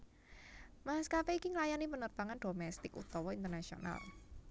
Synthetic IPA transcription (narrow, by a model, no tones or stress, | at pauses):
maɦaskapɛikiŋlajanipənərpaŋanɖ̥omɛst̪ɪkṵt̪ɔwɔint̪ərnasio̰na̰l